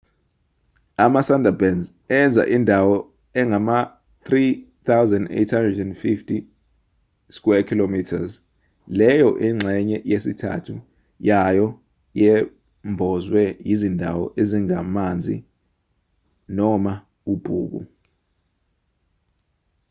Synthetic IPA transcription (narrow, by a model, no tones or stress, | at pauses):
amasandʱabɛnz | ɛnd͡zʱa̰ʔindʱawɔ | ɛŋama | θrit̪awzɛndḛjtʰhandrɛdɛndfiftʰʼi | skuɛkʰilomitʰaz | lɛjɔʔiŋ͡ǁʱɛɲɛjesitʰa̰tʰu | jajɔ | jɛ | mbʱɔzwɛjizindʱawɔ̰ʔeziŋamand͡zʱḭ | nɔma | ub̥ʱṵːk̬ṵ